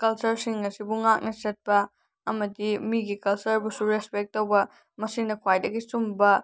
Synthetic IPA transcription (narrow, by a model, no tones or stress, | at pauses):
kɐlt͡ʃɐɾsiŋɐsibuŋak̚nɐt͡ʃɐt̚pɐ | ɐmɐdimiɡikɐlt͡ʃɐɾbusuɾespek̚tːowbɐ | mɐsiŋdɐkʰwajdɐɡisumbɐ